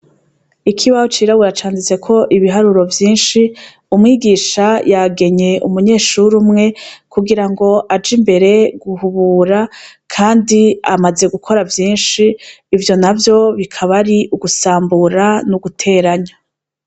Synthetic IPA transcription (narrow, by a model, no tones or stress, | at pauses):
ikʰiβahot͡ʃiɾaβuɾat͡ʃaːnzize̞kʰo̞ʔiβiɦaɾuɾo̞vjiːnʃi | umŋiːɡiʃajaɡe̞ɲe̞ʔṵmuɲe̞ːʃuɾumŋe̞kuɡiɾaŋɡo̞ʔad͡ʒimbe̞ɾe̞ɡuhuβuːɾakʰaːndiamaze̞ɡukʰo̞ɾavjiːnʃiː | vjo̞navjo̞βikʰaβaɾiʔuɡusaːmbuɾanuɡutʰe̞ːɾaɲa